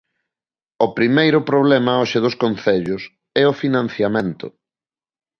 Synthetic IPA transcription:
ʊpɾimejɾʊpɾoβlɛmɐoʃɪðʊskonθɛʎʊs | ɛʊfinãn̟θjamẽnt̪ʊ̰

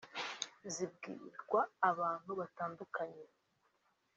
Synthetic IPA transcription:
zibɡḭːɾɡwaːβaːn̥huβataːndukaɲe

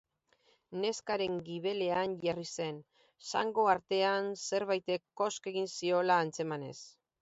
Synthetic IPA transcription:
ne̞skaɾe̞ŋɡiβe̞le̞anʝarise̞n | sa̰ŋɡo̞aɾt̪e̞anse̞ɾβajt̪e̞kːo̞ske̞ɣ̞insio̞laːnt͡se̞mane̞̰s

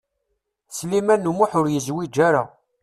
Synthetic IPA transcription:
slimænːumuħʊɾjəzwid͡ʒːaɾa̰

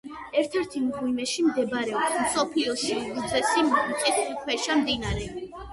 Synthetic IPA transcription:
ɛɾt̪ʰɛɾt̪ʰimʁuimɛʃimd̪ɛbɾɛɔpsmsɔpʰliɔʃilud̪zɛsimkʼit̪ikʰwɛʃamd̪inaɾɛ

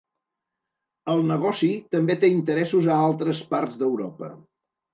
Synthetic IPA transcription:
əlˠnəɣɔsit̪əmbet̪eint̪əɾɛsuzəalˠt̪ɾəspaɾzd̪əwɾɔpə̰

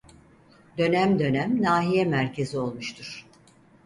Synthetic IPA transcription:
d̪ø̞næmd̪ø̞næmnaːɦijɛmæɾcʰe̞zio̞lˠmuʃt̪ʰuɾ̥

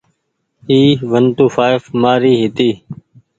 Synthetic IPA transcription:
iːʋənt̪uːfaːɪfmaːɾiːɦɪt̪iː

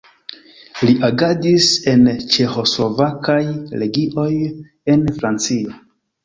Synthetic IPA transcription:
liʔaɡadise̞nt͡ʃe̞xo̞slo̞vakajɾe̞ɡiʔo̞j | e̞nfɾant͡sio̞

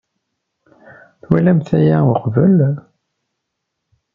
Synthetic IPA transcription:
θwælæmθæjæʊqvəl

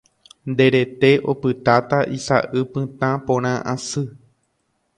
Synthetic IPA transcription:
nd̪e̞ɾe̞t̪e̞ʔo̞̰pɨt̪at̪aʔisa̰ʔɨpɨ̃t̪ãpõɾ̃ãʔã̰sɨ

